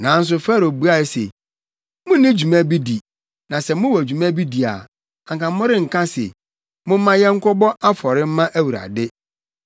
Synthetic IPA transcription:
nã˨˦n̩˦s̬ʊ˨fa˦ɾo˨bu˦a˦sḛ˨ | mʊ̃˦nɪ̃˦d͡ʑu˨mæ̃˦bi˦di˨ | nã˨sɛ˨mʊ̃˦wɔ˨d͡ʑu˨mæ̃˦bi˦di˨a̰˨ | ã˨ŋkã˨mʊ̃˦ɾɪ̃˦ŋ̩˨kʰã˦sḛ˨ | mʊ̃˦m̩˦mã˦jɛ˦ŋ̩˦kʰɔ˦bɔ˦ʔa˦fɔ˨ɾɪ˦m̩˦mã˦ʔæ˦wu˨ɾa̰˨dɪ˦

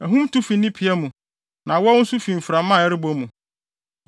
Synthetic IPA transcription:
æ˨ɦũ˦mtu˦fi˨nĩ˦pʰi˨ɛ˦mũ˨ | nã˨wɔ˦n̩˦sʊ˦fĩ˨m̩˨fɾa˨mã˦˨ɛ˦ɾɪ˦bo˦mũ˨

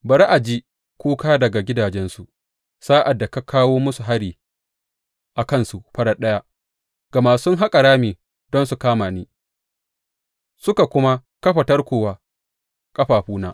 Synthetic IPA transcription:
bɐ˨ɾʔa˨d͡ʒi˦ | kʷuː˦kaː˦dɐ˨ɡa˨ɡʲɪ˦daː˨d͡ʒɛ˦nsu˨ | saː˦ʔa˨dːa˨ka˦kʰaː˦woː˦mʊ˦su˨ɦa˦ɽiː˨ | ʔa˨kɐ˦nsu˨ɸɐ˦ɽa˦ɗɐ˦ja˦ | ɡ̥a˨maː˨sʊ˦ŋɦa˦kʼa˨ɽaː˦meː˨ | dɔ˦nsu˨kaː˦maː˨niː˦ | sʊ˦ka˨kʷʊ˦ma˦kɐ˦ɸɐ˨tɐ˦rkʷoː˨waː˦ | kʼɐ˦ɸaː˨ɸuː˦naː˦

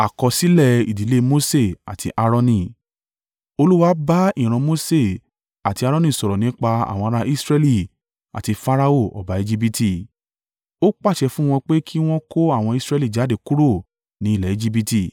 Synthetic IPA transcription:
a˨kɔ˧si˦lɛ˦˨i˨di˨˦le˦mo˦se˦˨a̰˨tʰi˧ʔa˧ɾɔ̃˧nĩ˧ | o˧lu˦wa˦ba˦ĩ˦˨ɾ̃ã˧mo˦se˦˨ | a˨ti˧a˧ɾɔ̃˦nĩ˦˨sɔ˨ɾɔ˨nĩ˨˦k͡pa˧a̰˨w̃ɔ̃˧a˧ɾa˧ʔi˦sɾɛ˧li˨ | a̰˨ti˧fa˦ɾa˧o˦˨ɔ̰˨ba˨˦e˧d͡ʒi˦b̬i˧ti˦˨ | o˦k͡pa˦˨ʃɛ˧fũ˦w̃ɔ̃˧k͡pe˦kʰi˦w̃ɔ̃˦ko˦a˦˨w̃ɔ̃˧i˧˦sɾɛ˧˦li˦˨d͡ʒa˨˦de˧ku˦ɾo˦˨ | nĩ˨˦i˦˨lɛ˨e˧d͡ʒi˧b̬i˧ti˦˨

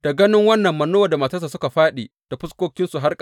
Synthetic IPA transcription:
d̥a˨ɡɐ˦nɪ˦ŋwɐ˦nːɐ˨mːɐ˨noː˦wɐ˨da˨ma˨tɐ˦s̬aː˨sʊ˦ka˨ɸaː˦ɗeː˨ | d̥a˨ɸʊ˦skʷoː˦kʲɪ˦nsu˨ɦa˦rkʼa˨

